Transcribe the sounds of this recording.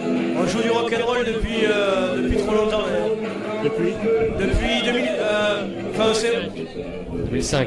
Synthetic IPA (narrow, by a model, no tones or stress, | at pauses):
ɛ̃ʒud̪yʁɔkɛ̃nʁɔld̪əpɥiød̪əpɥit̪χɔlɔ̃t̪ɑ̃d̪ajɛ | d̪əid̪əpɥid̪əmilø | ɑ̃fɛ̃əsẽ | d̪əmilsɛ̃k